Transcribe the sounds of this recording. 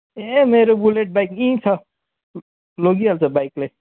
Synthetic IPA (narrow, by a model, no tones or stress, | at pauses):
emeːɾobuleːʈ̚baɪkĩt͡sʰʌ | loɡialt͡sʰəbaikle